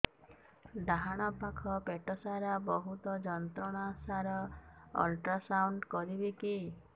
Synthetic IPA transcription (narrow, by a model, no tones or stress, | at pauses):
ɖaɦaɽ̃ɔpakʰɔpeʈɔsaɾabɔɦut̪ɔd͡ʒɔnt̪ɾɔɽ̃asaɾɔɔ̰lʈɾasawɳɖkɔɾibiki